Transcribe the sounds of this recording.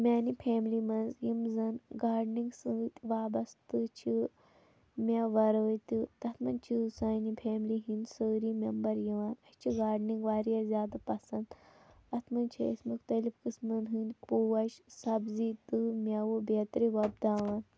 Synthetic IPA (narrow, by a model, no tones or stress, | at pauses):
mʲaːnipʰeːmlimɐnzjimzɐnɡaːɖnĩŋɡsɨt̪ʲʋaːbɐst̪ɨt͡ʃʰi | mʲɐʋɐɾəːt̪ʲit̪ɐt̪ʰmɐnt͡ʃʰisaːnipʰeːmliɦinsəːɾiːmʲembɐɾjiʋaːnɐt͡ʃʰiɡaːɖniŋɡʋaːɾijazʲjaːd̪apɐsɐnd̪ɐt̪ʰmɐnt͡ʃʰiɐ̰sʲmuxt̪ɐlifkɨsmɐnɦɨnʲpuːwɐʃsɐbzit̪ɨmʲɐwobeːt̪ɾiʋɐbd̪aːʋɐn